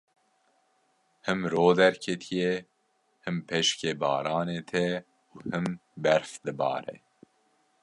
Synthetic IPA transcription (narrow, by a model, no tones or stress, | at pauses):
hɨmɾoːd̪ɛɾkʰɛt̪ʰije | hɨmpʰeʃkeːbɑ̰ːɾɑːneːt̪ʰɛ | uːhɨmbɛɾfd̪ɨbɑ̰ːɾɛ̰